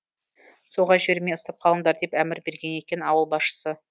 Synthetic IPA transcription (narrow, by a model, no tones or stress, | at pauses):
soʁɑʒbeɾmeost̪ɑp̚qʰɑlˠənd̪ɑɾd̪epæmɪɾbe̞ɾɡʲene̞kʲe̞nɑwəlˠbɑsʃə̥sə